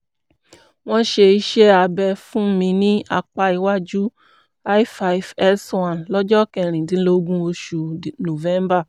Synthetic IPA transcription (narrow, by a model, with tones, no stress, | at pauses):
w̃ɔ̃˧ʃe˧i˧ʃɛ˦a˧bɛ˧fũ˦mĩ˧nĩ˦a˧k͡pa˧i˨˧wa˦d͡ʒu˦ | a˦i˦fa˧i˨fɛ˦swã˦˨nlɔ˦d͡ʒɔ˦kɛ˧˨ɾ̃ĩ˨dĩ˨˦lo˦ɡũ˦o˧ʃu˧˨no˨vɛ̃˨˦mba˦˨